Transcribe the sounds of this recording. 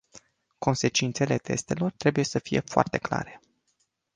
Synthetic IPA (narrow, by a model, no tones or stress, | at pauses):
ko̞nse̞t͡ʃint̪se̞le̞t̪ʰe̞st̪e̞lo̞rt̪ɾe̞buje̞səfije̞̰foa̰rt̪e̞kla̰ɾe̞̥